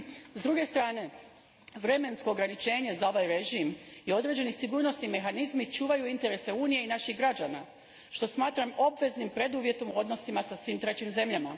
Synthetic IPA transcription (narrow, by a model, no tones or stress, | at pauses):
zd̪ɾuɡe̞st̪ɾaːne̞ | ʋɾe̞me̞nsko̞ːɡɾanit͡ʃe̞ːɲe̞zao̞ʋajɾe̞ʒimio̞d̪ɾe̞d͡ʑe̞nisiɡuːɾno̞snime̞xanizmit͡ʃuːʋajuint̪e̞ɾe̞se̞uːnije̞inaʃiɣɡɾad͡ʑana | ʃt̪o̞smaːt̪ɾamo̞bʋe̞znimpɾe̞d̪uːʋje̞t̪o̞muo̞d̪no̞simasasʋiːmt̪ɾe̞t͡ɕimze̞mʎama